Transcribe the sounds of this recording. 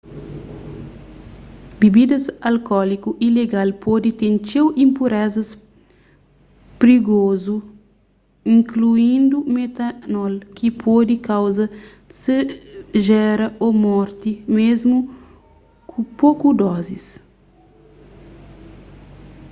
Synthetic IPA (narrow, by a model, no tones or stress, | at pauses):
bibid̪ɐsɐlkɔlikuʔileɡalpɔd̪it̪ẽnt͡ʃewĩmpuɾɛzɐs | pɾiɡozu | ĩŋkluĩnd̪umet̪ɐnɔlkipʰɔd̪ikawzɐ | sɨʒɛɾɐomɔɾt̪imezmu | kʰupokud̪ɔzis